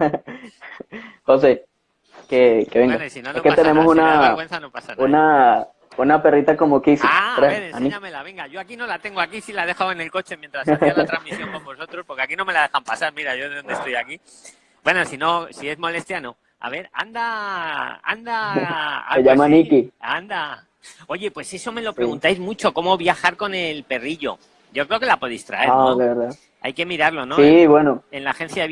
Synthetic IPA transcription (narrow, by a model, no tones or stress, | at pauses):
xo̞s̬e̞ | keke̞βe̞ŋɡasne̞sket̪e̞ne̞mosunaɣwenθanopasauna | unape̞rit̪ako̞mokisik̪ɾea̰mĩamelaβeŋɡaʝo̞akino̞lat̪e̞ŋɡoakisilaðe̞xawene̞lko̞t͡ʃe̞mjent̪ɾast̪amisoŋkobosot̪ɾospo̞ɾkeakino̞me̞laðe̞xampasaɾmiɾaʝoðond̪est̪o̞jaki | bwe̞no̞sino̞sie̞zmo̞le̞st̪jano̞ | a̰β̞e̞ɾa̰nd̪a | a̰nd̪aa̰eʎamanikiand̪a | o̞ʝe̞pwe̞se̞so̞me̞lo̞pɾeɣunt̪ajzmut͡ʃo̞ko̞mo̞βjaxaɾko̞ne̞lpe̞riʎo̞̰ | ɟ͡ʝokɾe̞okelapo̞ðejst̪ɾa̰e̞leβeɾða | a̰jke̞miɾaɾlo̞noiβwenoe̞nlaxe̞n̟θja